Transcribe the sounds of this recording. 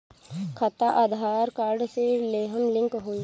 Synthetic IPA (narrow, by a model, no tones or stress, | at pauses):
kʰɐt̪aʔad̪ʱaːɾkaːɾɖseleːɦənlɪ̃ŋkɦoː